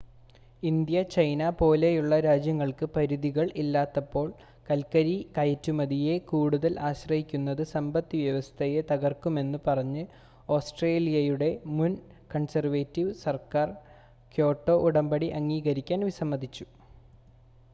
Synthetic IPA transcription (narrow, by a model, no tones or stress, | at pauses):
ind̪jɐt͡ɕɐjnapo̞ːlejuɭːɐɾaːd͡ʑjɐŋːɐɭkɨpɐɾuðiɣɐɭʔilːaːt̪ːɐpːo̞ːɭ | kɐlkɐɾikɐjɐtːumɐðije̞kuːɽuðɐlʔaːɕrɐɦikʲːunːɐðɨsɐmbɐt̪ːiʋjɐʋɐst̪ʰɐjet̪ɐɣɐrkume̞nːɨpɐrɐɲːɨ | o̞ːsʈreːlijɐjuɽe̞mun | kɐɳsɐrʋeːtːiʋsɐrkaːr | kjo̞ːʈːo̞ːʔuɽɐmbɐɽiʔɐŋːiːɣɐɾikʲːaːnʋisɐmːɐd̪it͡ɕːu̥